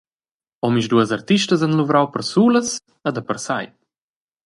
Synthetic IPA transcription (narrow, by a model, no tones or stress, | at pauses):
ɔmiʃd̪uəzart̪iʃtəzanluvɾawpəɾsuːləs | əd̪əpəɾsaj